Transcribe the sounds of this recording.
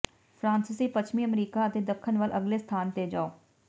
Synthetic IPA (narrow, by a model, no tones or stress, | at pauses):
pʰɾãːnsɪsiːpət͡ʃʰmiːəmɾiːkaːət̪eːd̪əkʰːənʋəlʔəɡleːst̪ʰaːnt̪eːd͡ʒaːoː